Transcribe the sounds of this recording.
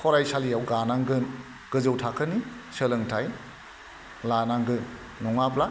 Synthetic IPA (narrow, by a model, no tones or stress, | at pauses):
kʰɔɾajsalijawɡanaŋɡɯn | ɡ̥ɯzɯwtʰakʰəni | səlɯŋtʰaj | lanaŋɡɯn | nɔŋabla